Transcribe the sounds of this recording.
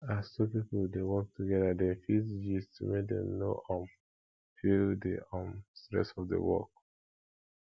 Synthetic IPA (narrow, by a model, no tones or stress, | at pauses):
assopipudewɔk̚tʰuɡɛdadɛ̃nfisd͡ʒistmedɛ̰̃mnoʔɔ̃m | fildḭɔ̃mstɹɛ̰sɔfdə̰wɔ̰k̚